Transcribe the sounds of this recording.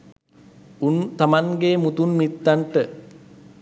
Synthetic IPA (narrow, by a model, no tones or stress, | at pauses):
unt̪amaŋɡeːmut̪unmit̪ːaɳʈə